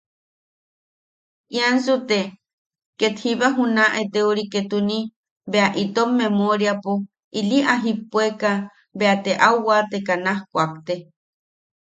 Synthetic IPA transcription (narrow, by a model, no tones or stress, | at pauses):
ʔiansut̪e | ket̪hiβaɦunaʔet̪euɾiket̪uni | beaʔit̪omːemoɾjapo | iliʔaɦipːweka | beat̪eʔawwat̪ekanahkʷak̚t̪e